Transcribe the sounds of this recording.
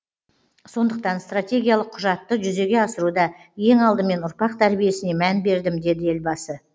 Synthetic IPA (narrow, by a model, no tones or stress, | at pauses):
so̞nd̪əq̚t̪ɑnst̪rat̪ʲe̞ɡʲijalˠəqʰʊʒɑt̪ːəʒʏze̞ɡʲe̞ɑsəɾud̪ɑje̞ŋɑlˠd̪əme̞nʊɾpɑq̚t̪ʰæɾbije̞sɪne̞mænbe̞ɾd̪ɪmd̪e̞d̪ɪe̞lbɑsə